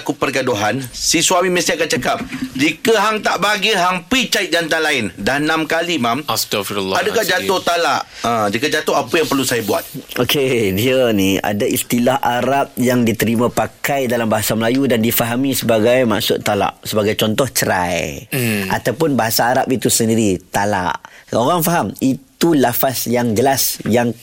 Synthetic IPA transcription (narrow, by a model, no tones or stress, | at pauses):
kupərɡadoɦansisuamimə̃siakant͡ʃakap̚d͡ʒikəɦaŋt̪aʔbaɡiɦaŋpit͡ʃaɪt̪̚d͡ʒant̪alaɪndanãmkalimamst̪afiɾladəkahd͡ʒat̪ʊht̪alaʔə̃d͡ʒikəd͡ʒat̪ʊɦapəjaŋpərlusajabua̰t̪̚ʔokʰediənia̰daist̪ilahʔaɾap̚jaŋdit̪əɾimãpakajdalambaɦasaməlajudandifaɦamĩsəbaɡajma̰ʔsʊtt̪ːala̰ʔsəbaɡajt͡ʃɔnt̪ɔht͡ʃəɾa̰jʔa̰t̪awpʊnbaɦasaːɾapit̪usəndiɾit̪ala̰ʔoɣaŋfaɦamit̪ulafasjaŋd͡ʒəlasjaŋ